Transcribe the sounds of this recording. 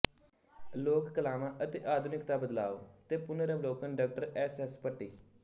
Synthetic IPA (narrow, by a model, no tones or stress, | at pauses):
loːkkəlaːmãːʔət̪eːʔaːd̪ʱunɪkt̪aːbəd̪la̰ːoːt̪eːpʊnəɾəʋloːkənɖaːk̚ʈəɾɛːsɛspəʈːiː